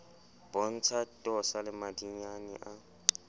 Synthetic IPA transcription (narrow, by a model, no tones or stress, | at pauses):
b̥ɔn̩t͡sʰatʼɔsalɪmadiɲanɪ̰ʔa